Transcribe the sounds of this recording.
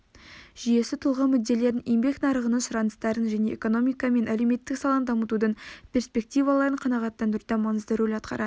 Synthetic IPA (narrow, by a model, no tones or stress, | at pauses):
ʒ̥ije̞sɪt̪ʰʊlˠʁəmʏd̪ːe̞le̞ɾɪnjembe̞knɑɾəʁənənʃəɾɑnəst̪ɑɾənʒæne̞eko̞no̞mijkɑme̞nʔæle̞wme̞t̪ːɪksɑlˠɑnd̪ɑmət̪ud̪əɴpʰʲe̞ɾspe̞k̚t̪ijvɑlˠɑɾəɴqʰɑnɑʁɑt̪ːɑnd̪əɾud̪ɑmɑnəzd̪əɾwelɑt̪̚qɑ̰ɾɑ̰d̪ə